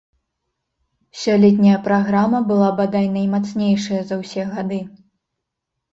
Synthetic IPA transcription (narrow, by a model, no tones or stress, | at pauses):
sʲɔlʲɛt̪ʲnʲɐjɐpɾaɣɾamɐbɨlˠabad̪ajnɐjmat̪snʲejʂɐjɐzɐwsʲɛɣad̪ɨ